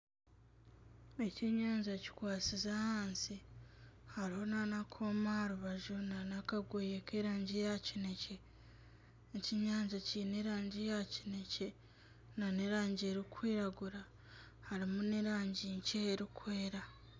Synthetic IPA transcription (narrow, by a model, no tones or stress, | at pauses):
e̞ceɲaːɲzaci̥kwaːt͡sizahaːnsi | haɾiho̞nanakʰoːmahaɾuβaʒunanakaɡwejekeːɾaːɲɟijacine̞ce̞ | ciɲaːɲzaciːneɾaːɲɟijaci̥ne̞ce | naneɾaːɲɟieɾikwiːɾaɡuɾa | haɾimuneɾaːɲɟiɲceːɾikwe̞ːɾa